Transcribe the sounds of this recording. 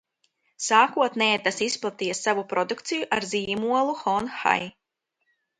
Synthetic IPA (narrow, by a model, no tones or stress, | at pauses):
saːkuɔt̪nɛːt̪asisplˠat̪ijɛsːavupɾɔd̪ukt̪sijuʔaɾziːmuɔlˠuxɔnxa̰j